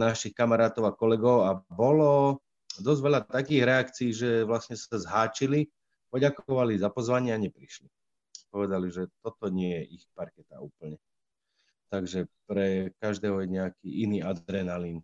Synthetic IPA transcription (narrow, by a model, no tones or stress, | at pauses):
naʃixkamaɾaːt̪ɔʊakɔlɛɡɔʊabɔlɔ | d̪ɔzʋɛʎat̪akiːɣɾɛakt͡siːʒɛʋlasɲɛsazɦaːt͡ʃili | pɔɟakɔʋalizapɔzʋaɲɪɛaɲɛpɾiʃli | pɔʋɛd̪aliʒɛt̪ɔt̪ɔɲɪɛjɛʔixpaɾkɛt̪a̰uːpl̩ɲɛ | t̪aɡʒɛpɾɛkaʒd̪ɛːɦɔjɛɲɛakiʔiniːad̪ɾɛnalin